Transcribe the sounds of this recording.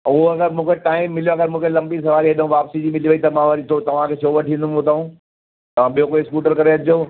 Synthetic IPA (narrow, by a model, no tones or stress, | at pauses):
uɦoɐɡəɾmũːkʰeʈaːɪmːɪlijoɐɡəɾmũːkʰelɐ̃mbisɐʋaːɾieɗɦũʋaːpsid͡ʑiːmɪliʋɐit̪ɐmãʋɐɾit̪ʰot̪ɐʋ̤ãkʰet͡ʃʰoːʋɐʈʰĩnd̪ʊmot̪ɐɦũ | t̪ɐʋ̤ãɓijokoiskuːʈəɾkɐɾeɐd͡ʑoː